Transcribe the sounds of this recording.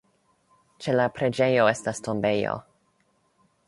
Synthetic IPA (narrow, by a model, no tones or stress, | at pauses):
t͡ʃe̞lapɾe̞d͡ʒe̞jo̞e̞stastʰo̞mbe̞jo̰